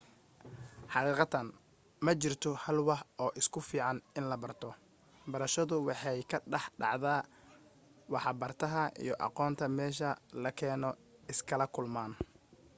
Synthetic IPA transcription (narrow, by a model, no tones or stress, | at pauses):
ħɑqiːqɑt̪ɐn | mɐt͡ʃɪrt̪ʰɔhɐlwɑħɔːʔɪskʰʊfiːʕɑnɪnlɐbɐrt̪ʰɔ | bɐɾɐʃɐðʊwɑħɑjkʰɐɖɑħɖɑ̰ʕðaː | wɑħbɐrt̪ʰɐɦɐʔḭjɞʔɑ̰qɔːnt̪ʰɐmɛːʃ̬ɐlɐkʰɛːnɔ | ɪskʰɐlɐkʰʊlmaːn